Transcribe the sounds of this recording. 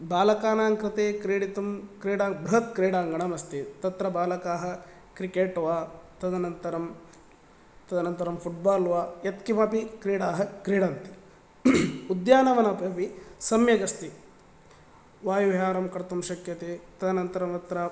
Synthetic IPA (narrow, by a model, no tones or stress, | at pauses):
baːlɐkaːnaːŋkɾɐt̪eːkɾiːɽit̪ɐmkɾiːɽaːbɾɐɦɐt̪̚kɾiːɽaːŋɡɐɳɐmɐst̪it̪ɐt̪ɾɐbaːlɐkaːɦɐ̆ | kɾikeːʈʋaːt̪ɐd̪ɐnɐnt̪ɐɾɐm | t̪ɐd̪ɐnɐnt̪ɐɾɐmpʰuʈ̚baːlʋaːjɐt̪kimɐpikɾiːɽaːɦɐkɾiːɽɐːnt̪i̥ | ud̪jaːnɐʋɐnɐpɐpisɐmjɐɡɐst̪i | ʋaːjuʋjaːɾɐmkɐɾt̪umʃɐkjɐt̪eːt̪ɐd̪ɐnɐnt̪ɐɾɐmɐt̪ɾɐ